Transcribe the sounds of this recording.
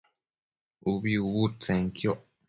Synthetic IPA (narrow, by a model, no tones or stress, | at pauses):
uβiuβut͡sẽŋkjoʔ